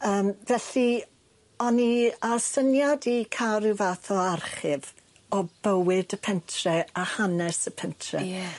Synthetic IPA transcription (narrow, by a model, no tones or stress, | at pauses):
əːmvɛɬi | ɔniasənjadikʰaɾɪwvaθɔarχɨv | ɔbəwɪdəpʰɛntʰrɛahanɛsəpʰɛntʰrɛ̰